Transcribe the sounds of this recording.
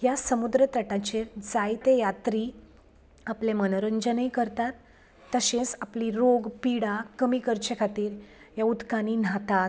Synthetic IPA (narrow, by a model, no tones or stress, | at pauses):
ɦjasəmud̪ɾət̪əʈãt͡ɕeɾd͡zajt̪ejat̪ɾiː | aplemənəɾənd͡ʑənəikəɾt̪at̪ː | əɕẽsapliɾoɡpiɽakəmiːkəɾt͡ɕekʰat̪iːɾɦjaud̪kaniːnɦat̪at̪